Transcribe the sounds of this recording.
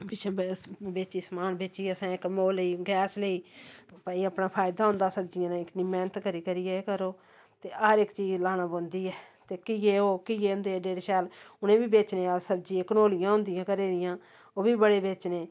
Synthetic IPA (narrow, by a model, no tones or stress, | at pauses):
bɪt͡ʃʰːbeːt͡ʃiːsmaːnbeːt͡ʃiːəsãːɪkmoːləiːɡɛːsləiːpəːiːəpnaːpʰaːjd̪aːɦʊ̃nd̪aːsəb̚d͡ʒɪjãːnãːɪkniːmɛːnət̪kəɾiːkəɾiːɛkəɾoː | t̪eːʔəɾɪkt͡ʃiːzlaːnãːbõːnd̪iːɛː | t̪eːkɪjeːoːkɪjeːʊ̃nd̪eːɛːɖeːɾʃɛːlʊnẽːbiːbeːt͡ʃneːasəb̚d͡ʒiẽːkənoːlɪjãːɦʊ̃nd̪ɪjãːkəɾeːɾɪjãː | oːbiːbəɽeːbeːt͡ʃneː